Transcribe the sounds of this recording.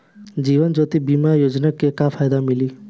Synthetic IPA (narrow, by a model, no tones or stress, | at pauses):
d͡ʒiʋənd͡ʒot̪ibimajod͡ʒnakekapʰajd̪amili